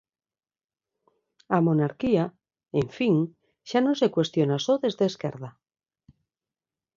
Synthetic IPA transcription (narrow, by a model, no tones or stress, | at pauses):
amonaɾkia | eɱfiŋ | ʃanose̞kwe̞st̪jonasoðe̞zðeːskḛɾð̞a